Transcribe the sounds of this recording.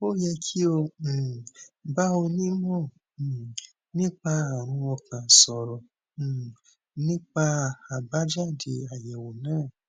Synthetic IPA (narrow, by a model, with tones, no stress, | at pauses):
o˦˨jɛ˧kʰi˦õ˧˨ | ba˦o˧nĩ˦mɔ̃˦˨ | nĩ˦k͡pa˧a˨ɾ̃ũ˧ɔ˧kã˨sɔ˧˨ɾɔ̃˨ | nĩ˦k͡pa˧a˨ba˦d͡ʒa˦˨de˧a˨jɛ˨wo˨nãː˦˨